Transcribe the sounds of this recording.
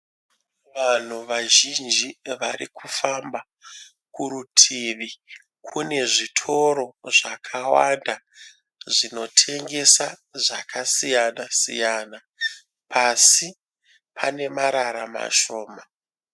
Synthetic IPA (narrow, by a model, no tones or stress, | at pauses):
ʋan̤uʋaʒind͡ʒiʋaɾikufamba | kuɾutʰiʋi | kʰune̞ʐitʰo̞ɾo̞ʐakʰawanda | ʐino̞tʰe̞ŋɡe̞sa | ʐakʰasijanasḭjaːna | pʰasi | pʰane̞maɾaɾama̰ʃo̞ːma